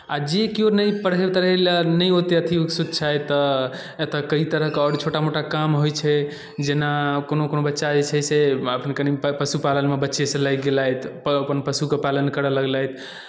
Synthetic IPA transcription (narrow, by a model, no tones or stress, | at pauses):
ad͡ʒekionəjpəɽɦebt̪əɾəɦelnəjɦot̪eət̪ʰioksud̪̚ʱt͡ʃʰajt̪ɔ | et̪akəit̪əɾəɦkeɔɽt͡ʃʰoʈamoʈakamɦojt͡ʃʰɛ | d͡ʒenakonokonobətːʃad͡ʒet͡ʃʰɛseəpnekənipəsupalənmebətːʃesẽlajɡelajt̪ʰpəpənpəsukepalənkəɾələɡlajt̪ʰ